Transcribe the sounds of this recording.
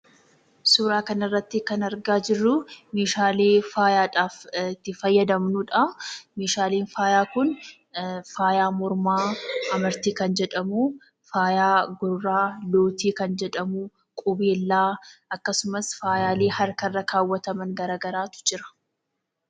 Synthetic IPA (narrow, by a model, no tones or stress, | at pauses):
suːɾaːkɐnɪrːɐt̪ːɪkɐnɐɾɡaːd͡ʒɪrːʊmeːʃaːleːfaːjaːᶑaːft̪ːɪfɐjːɐd̪ɐmnuᶑɐmeːʃaːleːnfaːjaːkʊn | faːjaːmɔɾmaːɐmɐɾt̪iːkɐnd͡ʒɛᶑɐmu | faːjaːɡʊrːaːloːt̪iːkɐnd͡ʒɛᶑɐmʊ | kʼʊbeːlːaːʔɐkːɐsʊmɐsfaːjaːleːhɐɾkɐrːɐkʰaːwːɐt̪ɐmɐŋɡɐɾaːɡɐɾaːt̪ʊ̥d͡ʒɪɾɐ̥